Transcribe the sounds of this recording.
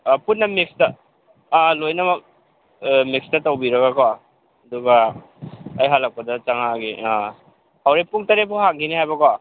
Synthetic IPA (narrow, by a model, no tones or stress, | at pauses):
punːɐmikstɐ | lojnɐmɐk | mik̚stɐtowbiɾɐɡakwa | ɐduɡaː | jɦalak̚pɐdɐt͡ʃaŋaɡi | hawɾepuŋtɐɾepʰuhaŋɡinihajbɐkwa